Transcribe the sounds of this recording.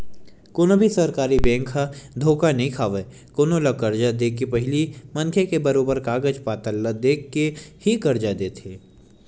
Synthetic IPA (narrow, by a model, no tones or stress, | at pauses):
koːnobʱisɐɾkaːɾibɛ̃ːŋkʰad̪ʱoːkanɐɦĩkʰaːʋe | koːnolakɐɾd͡ʒad̪eːkipɐɦɪlimɐnkʰekebɐɾoːbəɾkaːɡəd͡ʒpaːt̪əlːəd̪eːkːehikɐɾd͡ʒad̪eːt̪ʰeː